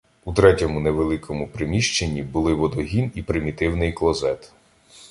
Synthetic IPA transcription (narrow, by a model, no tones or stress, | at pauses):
ut̪ɾɛtʲɔmʊneʋelˠɪkʰɔmʊpɾɪmʲiʃt͡ʃenʲːibʊlˠɪʋɔd̪ɔɦʲinipɾɪmʲit̪ɪwnɪjklˠɔzɛt̪